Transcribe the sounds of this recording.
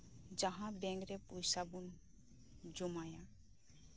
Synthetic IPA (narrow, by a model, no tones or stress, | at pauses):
d͡ʒəɦãbɛ̃ŋɡɾepujsabun | d͡ʒumajã